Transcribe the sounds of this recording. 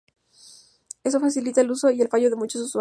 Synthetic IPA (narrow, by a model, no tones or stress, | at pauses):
e̞s̬o̞fasilit̪aeluso̞ie̞lfaʝo̞ðemut͡ʃos̬uswa